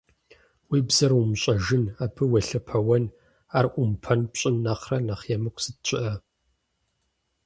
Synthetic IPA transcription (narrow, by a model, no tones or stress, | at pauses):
wiːbz̥ɐrwʊmɕʼɐʒɪnaːpʰɨwɐɬɐpʰɐwɐn | aːrʔʷʊmpʰɐnpɕʼɪnːaqrɐnaχjɛmɨkʷʰʼsɨt̚t͡ɕʷʰʼɪʔɐ